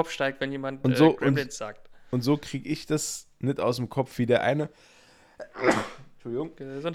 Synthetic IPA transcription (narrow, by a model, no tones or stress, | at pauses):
ɔpfʃtaɪk̚tvɛnjeːmantʊnzoːʔʊnnsz̥aːk̚tʊntz̥oːkʁ̥iːɡəɪçd̥asnɪtʔaʊs̬mkʰɔp͡ffv̥iːdeːɐʔa̰ɪnə | t͡ʃʊlɪɡʊŋzon